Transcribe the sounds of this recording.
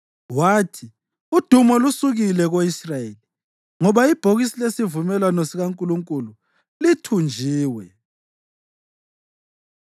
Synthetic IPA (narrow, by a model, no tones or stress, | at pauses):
waːtʰi | ud̥ʱumɔlusuɣilɛɣoisraeli | ŋɔβaib̥ʱoɣisilesivumɛlwanɔsiɣaŋkʼuluŋkʼulu | litʰund͡ʒʱiːwɛ̰